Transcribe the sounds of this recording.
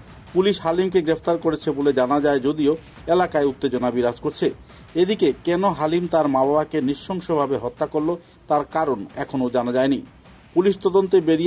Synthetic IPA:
puliʃhalimkeɡɾepʰt̪aɾkoɾet͡ɕʰeboled͡ʑanad͡ʑaed͡ʑod̪io | elakaeut̪ːed͡ʑonabiɾad͡ʑkoɾt͡ɕʰe | ed̪ikekɛnoɦalimt̪aɾmababakeniʃːɔŋʃobʱabeɦɔt̪ːakoɾlo | t̪aɾkaɾonɛkʰonod͡ʑanad͡ʑaeni | puliʃt̪ɔd̪ont̪ebeɾi

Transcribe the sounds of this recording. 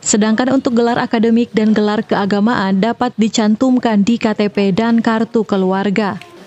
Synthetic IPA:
sədaŋkanunt̪ʊk̚ɡəlaɾʔakadəmɪk̚danɡəlarkəaɡamaʔandapat̪̚dit͡ʃant̪umkandikat̪epedankart̪ukəluarɡa

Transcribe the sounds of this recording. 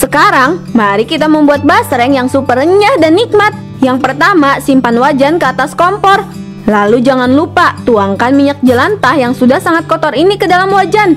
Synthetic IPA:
səkaɾaŋmaɾikit̪aməmbuat̪̚basɾɛŋjaŋsupərəɲahdanːik̚mat̪̚ | jaŋpərt̪amasimpanwad͡ʒankəat̪askɔmpɔr | lalud͡ʒaŋanlupat̪uaŋkanmiɲak̚d͡ʒəlant̪ahjaŋsudahsaŋat̪̚kɔt̪ɔrinikədalamwad͡ʒan

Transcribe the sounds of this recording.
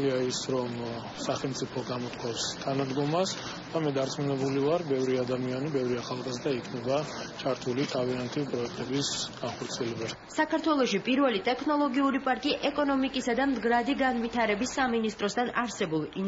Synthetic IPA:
iaisɾɔm | saχɛlmt̪sʼipʰɔɡamɔt̪kʰwafst̪ʰanad̪ɡɔmas | d̪̥amɛd̪aɾt̪sʼmunɛbulivaɾbɛvɾiad̪amianibɛvɾiaχalˠqazd̪aikʰnɛbat͡ʃʰaɾt̪ʰulit̪ʰaviant̪ʰipʼɾɔɛk̚ʰt̪ʼɛbisɡ̥anχɔɾt̪sʰiɛlɛba | sakʰaɾt̪ʰwɛlˠɔʃipʼiɾvɛlit̪ʼɛkʰnɔlˠɔɡiuɾipʼaɾkʼiʔɛkʼɔnɔmikʼisad̪amd̪ɡɾad̪iɡanvit̪ʰaɾɛbisːaminist̪ʼɾɔst̪ʰanaɾsɛbulˠi

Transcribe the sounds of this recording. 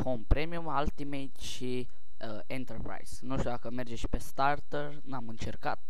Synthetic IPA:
pompɾemiumalt̪imejt̪ʃi | ent̪erpɾa̰jz̥nuʃt̪ʲud̪akəme̞rd͡ʒeʃi̥pe̞st̪art̪ərnamɨnt͡ʃe̞rka̰t̪̚

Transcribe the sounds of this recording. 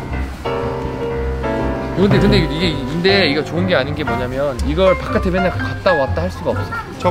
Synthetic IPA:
koɯnd̪ekɯndeiɡe̞inde̞iɡʌt͡ɕoɯnɡe̞aɲinɡe̞mwʌɲamjʌniɡʌɭpak͈atʰebjeɲakkat̚t͈awat̚t͈ahaɭs͈uɡaʌp̚s͈ʌ

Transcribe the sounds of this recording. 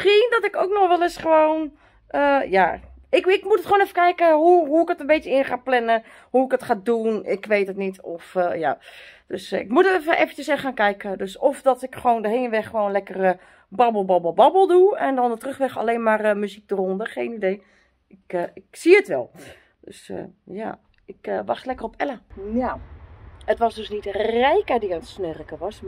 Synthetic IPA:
xiəndɔtɪkowk̚nɔxʋɛlˠɪsχəʋoːn | əja̰ | ɪkɪkmutətχoːnɛfəkɛjkəɦuɦuɪkətənbeːtjəɪənχaːplɛnə | huɪkətχaːdunɪkʋejtətnitɔfja̰d̥øsɪkmutətɛfəʔefəncəsɛxxaːnkɛjkədøsɔfdɔtɪkχəʋoːndəɦeːnʋɛxːəʋoːnlɛkərə | bɑbəlˠbɑbəl̩ˠbɑbəl̩ˠduɛndɔndətrøxʋɛxa̰leːnmaːrmyzik̚dərɔndəxeːnidej | ɪkɪksiətʋɛ̰lˠ | d̥ø̰sja̰ː | ɪkʋɑxtlɛkərɔpʰɛləa | ətʋɔsdøsnitərɛjkədiəntsnørəkəʋɔs

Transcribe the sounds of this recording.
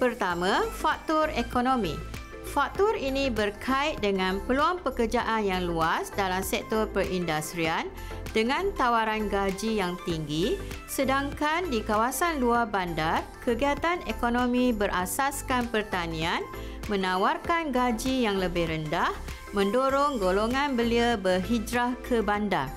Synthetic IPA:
pərt̪amãfak̚t̪ɔrekonõmĩ | fak̚t̪ʊrinĩbərkʰait̪̚dəŋãnpəluaŋpəkərd͡ʒaʔanjaŋluasdalamsɛk̚t̪ɔrpəɾʔindast̪ɾian | d̥əŋãnt̪awaɾanɡad͡ʒijaŋt̪iŋɡisədaŋkandikawasanluarbandarkʰəɡiat̪anekonõmĩbərʔasaskanpərt̪anĩan | mə̃nãwarkanɡad͡ʒijaŋləbɪhɾəndah | mə̃ndoɾɔŋɡoloŋãnbəliəbərɦid͡ʒɾahkʰəbanda̰r

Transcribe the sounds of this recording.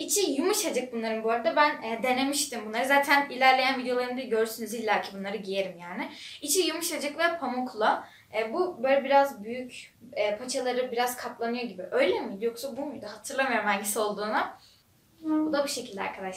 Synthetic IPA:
it͡ʃʰijumuʃad͡ʒak̚bunlˠaɾɯmbuaɾad̪abænɛd̪e̞ne̞miʃt̪imbunlˠaɾɯzaːt̪ʰænilʲæɾlʲe̞jænvid̪ejo̞lˠaɾɯnd̪aɟø̞ɾsynyzilʲːæɾcʰibunlˠaɾɯɟije̞ɾimjaːnɪit͡ʃʰijumuʃad͡ʒaklˠapʰamokʰlˠa | ɛːbubø̞jlʲɛbiɾazbyjyc | ɛːpʰat͡ʃʰalˠaɾɯbiɾaz̥kʰapʰlˠanɯjo̞ɟibiʔø̞jlʲemid̪joksabumujd̪aɦat̪ʰɯɾlˠamɯjoɾumhænɟisio̞lˠd̪uːna | bud̪abuʃe̞cʰilʲd̪ʲɛa̰ɾkʰad̪aʃ

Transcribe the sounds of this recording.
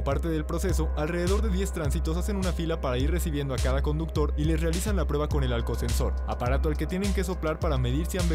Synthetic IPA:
paɾt̪e̞ðe̞lpɾo̞se̞s̬o̞alre̞ðe̞ðo̞ɾðe̞ðje̞st̪ɾansit̪o̞sase̞nunafilapaɾaiɾre̞siβje̞nd̪oakaðako̞nd̪uk̚t̪o̞ɾile̞sre̞alisanlapɾwe̞βako̞ne̞lalko̞se̞nso̞̰ɾa̰paɾat̪o̞alke̞t̪je̞ne̞ŋke̞so̞plaɾpaɾame̞ðiɾseamb

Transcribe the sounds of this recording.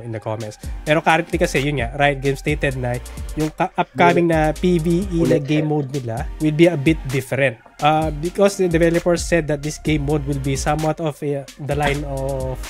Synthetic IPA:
ɪnd̪ɐkomɛnspɛːɾokaɾɐnt̪likɐsɛjʊnŋaɾajt̪̚ɡejmst̪ejt̪ɛd̪̚nɐjʊŋaʔɐp̚kamɪŋnɐpiviʔinɐɡejmːowd̪̚nɪlawɪlbiɐbɪt̪̚d̪ɪfɛɾɛ̃nt̪̚ʔabɪkɔsd̪ɐd̪ɛvɛlɐpɛɹsːɛd̪̚ːɐt̪̚d̪ɪsɡẽjmːowd̪̚wɪlbisɐ̃mwat̪ɔvd̪ɐlajnɔv

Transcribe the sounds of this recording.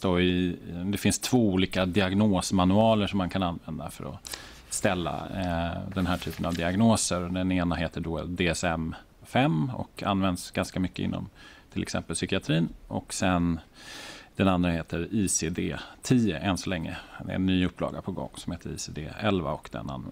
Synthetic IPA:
t̪oɪd̪ɛfɪnst̪ʰv̥oːuːliːkad̪ɪaɡnoːsmanɵɑːləʂɔmːankʰananvɛnd̪afœ̰ɾɔ̰ | st̪ɛlːa̰ | d̪ɛnɦæːʈʰyːpənavd̪ɪaɡnoːsəɾɔd̪ɛneːnaɦeːt̪əɖɔd̪eːɛsɛm | fɛmːɔ̰kʰa̰nːvɛnd̪sɡanskamʏkːəɪ̰nːɔ̰mt̪ʰɪlɛksɛ̰mpəlsʏkɪat̪ʰɾiːnʔɔksɛn | d̪̥ɛnand̪ɾaheːt̪ʰəɾiːsed̪eːt̪ʰiːəʔɛnsɔlɛŋːəd̪ɛ̰ɛnːyːɵpːlɑ̰ːɡapʰɔɡɔ̰ŋːsɔmheːt̪əɾḭːsed̪eːɛlva̰ɔkd̪ɛ̰na̰n

